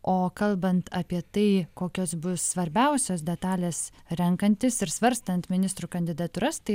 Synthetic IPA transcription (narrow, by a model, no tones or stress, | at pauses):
ʔoːkɐlˠbɐnt̪ɐːpʲiɛt̪ɐɪkoːkʲoːsbʊssʋɐɾʲbʲɛʊsʲoːs̬d̪ʲɛt̪ɑːlʲeːsɾʲɛŋkɐnʲt̪ʲɪsɪɾsʋɐɾʲst̪ɐnt̪mʲɪnʲɪst̪ɾuːkɐnʲd̪ʲɪd̪ɐt̪uːɾɐst̪ɐɪ